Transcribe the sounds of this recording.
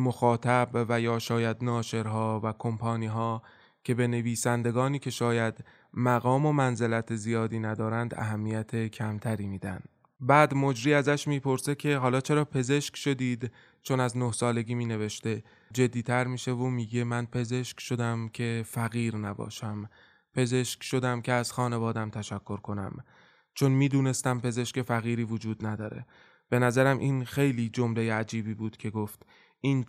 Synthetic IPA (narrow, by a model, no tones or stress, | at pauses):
moxɒːt̪ʰæbvæjɒːʃɒːjæd̪nɒːʃe̞ɾɦɒːvækʰo̞mpʰɒːniːɦɒː | cʰe̞be̞ne̞viːsænd̪e̞ɡɒːniːcʰe̞ʃɒːjæd̪̥ | mæɣɒːmo̞mænze̞læt̪ʰezijɒːd̪iːnæd̪ɒːɾænd̪æ̰ɦæmːijæt̪ʰe̞cʰæmt̪ʰæɾiːmiːd̪ænd̪ | bæːd̪mo̞d͡ʒɾiːæzæʃmiːpʰo̞ɾse̞cʰe̞ɦɒːlɒːt͡ʃʰe̞ɾɒːpʰe̞ze̞ʃkʃo̞d̪iːd̪ | t͡ʃʰonæznohsɒːle̞ɡiːmiːne̞ve̞ʃt̪e̞ | d͡ʒe̞d̪ːiːt̪ʰæɾmiːʃe̞vomiːɡe̞mænpʰe̞ze̞ʃkʃo̞d̪æmcʰe̞fæɣiːɾnæbɒ̰ːʃæm | pʰe̞ze̞ʃkʃo̞d̪æmcʰe̞æz̥xɒːne̞vɒːd̪æmt̪ʰæʃækʰːo̞ɾkʰo̞næ̰m | t͡ʃʰo̞nmiːd̪uːne̞st̪æmpe̞ze̞ʃke̞fæɣiːɾiːvod͡ʒuːd̪næd̪ɒːɾe̞̰ | b̥e̞næzæɾæmʔiːnxejliːd͡ʒo̞mle̞jeæd͡ʒiːbiːbuːd̪̥cʰe̞ɡoːft̪ | ʔiːn